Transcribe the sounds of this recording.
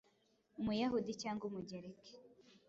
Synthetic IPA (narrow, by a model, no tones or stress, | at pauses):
umujahudicaːŋɡumuɟeɾeke̥